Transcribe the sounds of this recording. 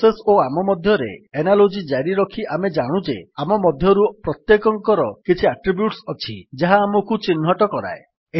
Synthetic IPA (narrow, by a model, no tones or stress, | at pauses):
sesoamɔmɔd̪ʱjɔɾḛenalod͡ʒid͡ʒaɾiɾɔkʰiʔamed͡ʒaɽ̃ud͡ʒḛamɔmɔd̪ʱjɔɾupɾɔt̪jekɔŋkɔɾɔkit͡ʃʰiaʈɾibjuʈsɔt͡ʃʰḭd͡ʒaɦaːmɔkut͡ʃinːɦɔʈɔkɔɾa̰e | e